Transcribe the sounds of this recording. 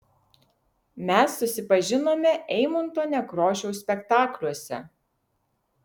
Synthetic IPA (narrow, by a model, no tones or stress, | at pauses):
mʲæsːʊsʲɪpɐʒʲɪnoːmʲɛʔɛɪmʊnt̪oːnʲɛkɾoːʃʲɛʊsʲpʲɛkt̪ɑːklʲuɔsʲɛ̰